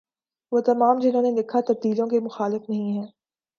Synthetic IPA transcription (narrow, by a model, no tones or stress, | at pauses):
ʋoːt̪ɐmaːmd͡ʒɪnɦõːnelɪkʰat̪ɐb̚d̪iːlõkemʊxaːlɪfnɐɦĩɦɛ̃ː